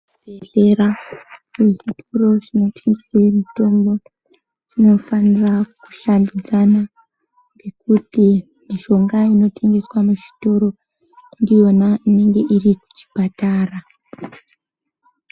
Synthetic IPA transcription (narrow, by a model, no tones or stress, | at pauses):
bʱeɮe̞ɾaweʐitʰoɾo̞ʐino̞tʰeŋɡeserimito̞mbo̞ | ʐ̥ino̞faniraku̥ʃandid͡zana | ŋɡe̞kuti | miʃo̞ŋɡaino̞tʰe̞ŋɡe̞swamuʐi̥to̞ɾo̞ | ndijo̞naine̞ŋɡe̞ʔiriku̥t͡ʃi̥pataːra